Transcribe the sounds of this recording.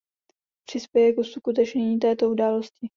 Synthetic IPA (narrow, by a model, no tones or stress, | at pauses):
pr̝̥ɪspjɛjɛkusukut̪̬ɛt͡ʃɲɛɲiːt̪ɛːt̪o̞udaːloscɪ